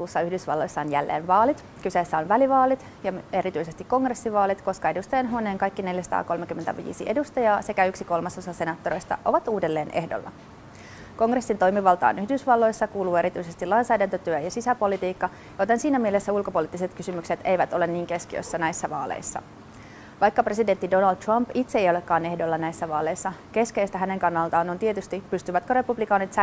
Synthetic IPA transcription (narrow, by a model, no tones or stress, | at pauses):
uːsːɑyhdysʋɑ̰lːo̞jsːɑonjælːḛːnʋɑːlit̪ | kyseːsːæonʋæliʋɑːlit̪ | jɑe̞ɾit̪yjse̞st̪ikko̞ŋɡre̞sːiʋɑːlit̪ko̞skɑe̞dust̪ɑjɑnɦuoneːŋkɑjkːine̞ljæsɑ̥t̪ɑ̰ːko̞lmekymːent̪æ̰ʋḭːsḭʔe̞dust̪ɑjɑːse̞kæyksiko̞lmɑso̞sɑse̞nɑt̪ːoɾejst̪ɑ̰ʔo̞ʋɑt̪uːdelːe̞ːne̞hdo̰lːɑ̰ | ko̞ŋresːint̪o̞jmiʋɑlt̪ɑ̰ːnyhdysʋɑlːo̞jsːɑkuːluːe̞ɾit̪yjse̞st̪ilɑjnsɑjdænt̪øt̪yøjɑsisæpo̞lit̪iːkːɑ | jot̪ensiːnæmiele̞sːæulko̞po̞lit̪ːise̞t̪kysymykse̞t̪e̞jʋæt̪o̞le̞nniːŋke̞skiø̰jsːænæjsːæʋɑːlḛjsːɑ̰ | ʋɑjkːɑpreside̞nt̪ːido̞nɑld̪̚t̪rɑmpit̪seejo̞le̞kːɑːne̞hdolːɑnæjsːæʋɑːle̞jsːɑke̞ske̞jst̪æɦæne̞ŋkɑnːɑlt̪ɑːno̞nt̪iet̪yst̪ipːyst̪yʋæt̪køɾe̞publikɑːnit̪s